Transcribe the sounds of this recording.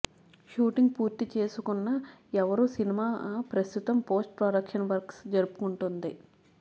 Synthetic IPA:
ʃuːʈiŋɡ̚puːɾt̪it͡ʃe̞ːsukunːaɛʋɐɾuːsinimaːpɾɐst̪ut̪ɐmpo̞ːsʈ̚pɾaːɽɐkʂɐnʋɐɾksd͡ʒɐɾupu̥kuɳʈund̪i

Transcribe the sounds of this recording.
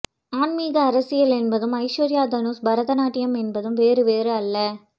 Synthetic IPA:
aːnmiːɣɐɐɾɐsɪjɐlɛnbɐðɯmɐɪʂɐɾɪjaːd̪ɐnuːsbɐɾɐðɐnaːʈːɪjɐmɛnbɐðɯmʋeːɾɯʋeːɾɯɐlːɐ

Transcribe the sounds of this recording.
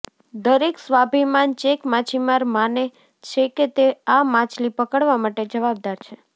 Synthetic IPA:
d̪əɾeksʋabʱimant͡ʃekmat͡ʃʰimaɾmane | t͡ʃʰeket̪eamãt͡ʃʰlipəkəɽʋamaʈed͡ʒəʋab̚d̪aɾt͡ʃʰe

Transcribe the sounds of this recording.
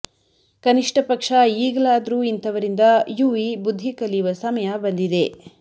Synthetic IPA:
kɐniʂʈʰɐpɐkʂɐiːɡɐlaːd̪ɐɾuːint̪ʰɐʋɐɾind̪ɐjuʋibud̪ʱːikɐliʋɐsɐmɐjɐbɐnd̪id̪e̞

